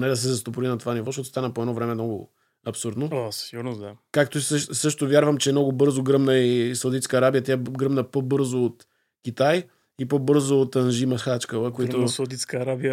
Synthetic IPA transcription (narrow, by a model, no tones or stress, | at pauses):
nɛd̪ɐs̬ɛzɐst̪opʊɾinɐt̪ovanivɔʃɔt̪o̥st̪anəpoɛd̪nɔvɾɛmɛmnɔɡʊ̰ | ɐpsuɾd̪noasiɡʊɾnozd̪akakt̪oəʃsɤʃt̪ovʲjaɾvəmt͡ʃɛmnɔɡʊbɤɾzoɡɾɤmnəisɐwd̪it̪skəɐɾabijət̪jaɡɾəmnəpobɤɾzoːt̪ | kʲit̪aj | ipobɤɾzoːt̪ɐnʒimɐxat͡ʃkəvəkoit̪osɐwd̪it̪skəːɾabijə